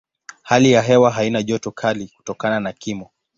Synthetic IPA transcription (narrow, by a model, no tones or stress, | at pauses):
halijaɦɛwaɦainaʄɔtɔkʰaliku̥tɔkananakimɔ